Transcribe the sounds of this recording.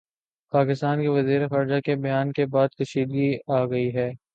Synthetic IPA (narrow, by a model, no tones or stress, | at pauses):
paːkɪst̪aːnkeʋɐziːɾexaːɾd͡ʒakebɐjaːnkebaːd̪̚kɐʃiːd̪ɡiaːɡɐiɦɛː